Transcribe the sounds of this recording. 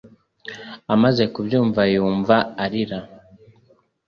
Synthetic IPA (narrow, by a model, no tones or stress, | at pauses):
amaze̞kubjuːɱvajuːɱvaːɾiɾa